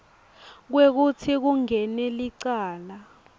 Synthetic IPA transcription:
k̬wek̬utʰik̬uŋɛnɛliǀaːla

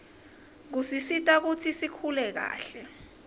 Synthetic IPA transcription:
k̬usisitʼak̬utʰisikʰulɛk̬a̰ːɬɛ

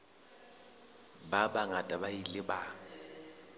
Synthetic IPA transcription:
babaŋatʼabailɪba

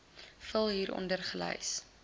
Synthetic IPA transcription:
fəlˠɦiːɾʔɔ̰ndərχələ̰js

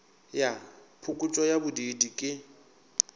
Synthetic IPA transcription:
japʰʊkʼʊt͡ʃʼɔjabʊdidikʼɪ

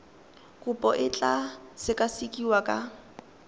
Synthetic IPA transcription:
kʼʊpʼɔʔɪt͡ɬʼasɪkʼasikʼiwakʼa

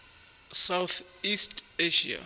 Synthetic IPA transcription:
sawθ | isteʃḭa̰

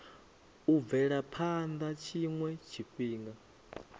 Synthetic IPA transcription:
uvɛɺapʰand̪at͡ʃʰiŋwɛt͡ʃʰikʼwiːŋɡa

